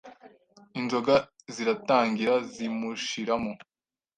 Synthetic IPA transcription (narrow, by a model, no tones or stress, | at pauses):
inzo̞ɡa | ziɾataːŋɡiɾazimuʃiɾamo